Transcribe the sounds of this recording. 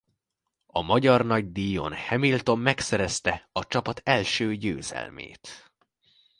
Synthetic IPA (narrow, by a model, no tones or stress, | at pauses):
ɒmɒɟɒrnɒɟd̪ijo̞̰nhɛmilt̪o̞mːɛksɛɾɛst̪ɛɒt͡ʃɒpɒt̪ɛlʃøːɟø̰ːzɛ̰lmḛːt̪